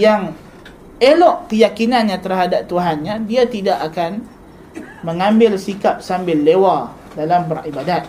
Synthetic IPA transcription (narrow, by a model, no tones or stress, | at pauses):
jaŋ | elɔʔkəjakinanɲãt̪ərɦadap̚t̪uɦanɲãdiat̪idaʔakan | məŋãmbɪlsikap̚sambɪlːewa | dalambəribadat̪̚